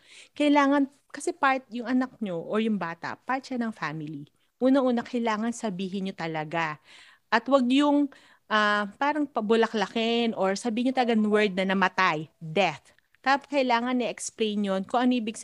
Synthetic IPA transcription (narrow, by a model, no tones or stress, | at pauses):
kɐʔɪlaːŋɐn | kɐsɛpaɹt̪̚jʊŋʔɐnɐk̚ɲoʔoɹjʊŋbaːt̪ɐ̰paɹt̪ʃanɐŋfamɪli | ʔuːnɐʔuːnɐkɐjlaːŋɐnsɐbiːɦɪnɲot̪ɐlɐɡa | ʔɐt̪wɐɡ̚jʊŋ | ʔapaːɾɐŋpɐbʊlɐklɐkɪnʔoɹsɐbiːhɪɲːot̪ɐlɐɡanwɛɹd̪̚nɐnɐmɐt̪ajd̪ɛθ | t̪apkɐʔɪlaːŋɐnʔɛʔɛksplejnjonkoŋʔɐŋʔiːbɪɡs